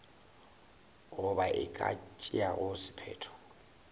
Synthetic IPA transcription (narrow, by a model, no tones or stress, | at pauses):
ɣʊbaʔɪkʼa̰t͡ʃʼɪaɣʊsɪ̥pʰɛːtʰɔ̥